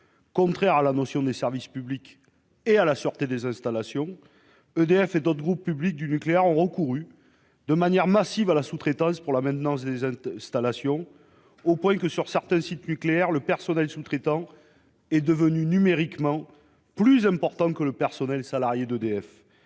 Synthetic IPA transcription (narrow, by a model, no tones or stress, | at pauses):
kɔ̃t̪χɛʁalanɔsjɔ̃d̪esɛʁvispyblik | ealasyʁt̪ed̪ezɛ̃st̪alasjɔ̃ | ød̪eɛfed̪ot̪χəɡʁupːyblik̚d̪ynykleɛʁɔ̃ʁəkuʁy | d̪əmanjɛʁmasivalasut̪χet̪ɑ̃spuʁlamɛ̃t̪ənɑ̃s̬d̪ezɛ̃st̪alasjɔ̃ | opwɛ̃kəsyʁsɛʁt̪ɛ̃sit̪nykleɛʁləpɛʁsɔnɛlsut̪χet̪ɑ̃ | ɛd̪əvənynymeʁikmɑ̃ | plyzɛ̃mpɔʁt̪ɑ̃kələpɛʁsɔnɛlsalaʁjed̪əd̪eɛf